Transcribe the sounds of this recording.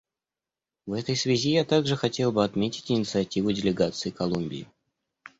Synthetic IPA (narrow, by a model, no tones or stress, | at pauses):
vɛt̪əjsvʲɪzʲijat̪aɡʐɨxɐtʲe̞lˠbɨɐt̪mʲetʲɪ̥tʲɪnʲɪt̪sɨɐtʲivʊdʲɪlʲɪɡat̪sɨɪkɐlˠumʲbʲɪ̰ɪ